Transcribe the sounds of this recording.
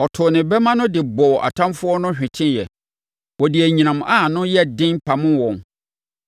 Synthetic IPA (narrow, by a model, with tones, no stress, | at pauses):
ɔ˨tʰʊ˨nɪ̃˨bɛ˦mã˦nʊ̃˦dɪ˨bɔ˨ʔa̰˨tʰã˦mfʊ˦ɔ˦nʊ̃˦ɕᶣɪ̃˨tʰɪ̃˦njɛ˨ | wɔ˨dɪ˨æ˨ɲĩ˨nã˨m˨ʔa˦˨nʊ̃˦jɛ˦dɪ̃˦npʰa˨mʊ̃˦wɔ̃˨n